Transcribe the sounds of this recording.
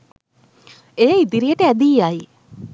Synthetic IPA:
ejid̪iɾijəʈəæd̪iːaj

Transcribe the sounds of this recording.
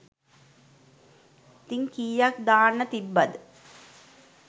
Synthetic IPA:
t̪iŋkiːjakd̪aːnːət̪ibːɐd̪

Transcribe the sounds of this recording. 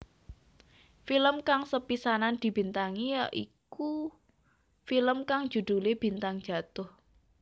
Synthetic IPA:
filəmkaŋsəpisanand̪̥i̤b̥i̤nt̪aŋijɔʔiku | filəmkaŋ̥ʒ̥ṳd̪̥ṳleb̥i̤nt̪aŋd̥d͡ʒ̥a̤t̪ʊh

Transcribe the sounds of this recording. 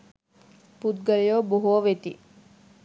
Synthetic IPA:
pud̪̚ɡəlijoboɦoʋet̪i

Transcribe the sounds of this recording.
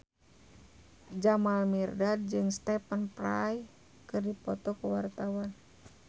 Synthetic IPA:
d͡ʒamalmirdad̚d͡ʒɨŋst̪ɛpənpɾaj | kɨrdipɔt̪ɔkəwart̪awan

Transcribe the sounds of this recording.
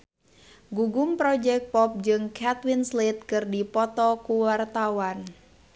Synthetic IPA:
ɡuɡʊmpɾɔd͡ʒɛk̚pɔp̚d͡ʒɨŋkat̪winslit̪̚kɨrdipɔt̪ɔkuwart̪awan

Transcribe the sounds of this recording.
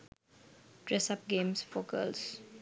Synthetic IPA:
ɖ̥ɾɛsap̚ɡẽːmsfoːkə̰ls

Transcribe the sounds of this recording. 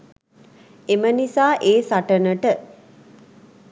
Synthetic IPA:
emənisaːʔeːsaʈənəʈə

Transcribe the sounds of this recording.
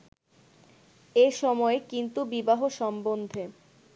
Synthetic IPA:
eʃɔmɔekint̪ubibaɦoʃɔmbond̪ʱe

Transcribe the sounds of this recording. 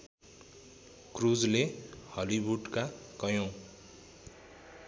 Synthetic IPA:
krud͡zlehʌlibuɖkakʌjõ

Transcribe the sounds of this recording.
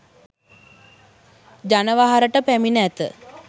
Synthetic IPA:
d͡ʒanəʋaɦaɾəʈəpæminəæt̪ə̰

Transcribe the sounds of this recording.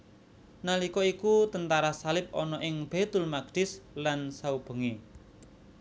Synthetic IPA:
nalikɔikut̪ənt̪aɾasalɪp̚ɔnɔʔɪŋb̥et̪ʊlmaɡ̥ɖ̥ɪslansaub̥ə̤ŋe

